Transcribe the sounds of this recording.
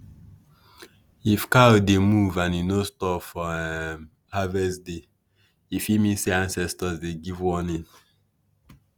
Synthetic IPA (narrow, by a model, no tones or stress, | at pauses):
ifkademuvãnjunostɔpfɔɛm | havɛsde | ifimĩnseãnsɛstɔsdeɡivwɔnĩn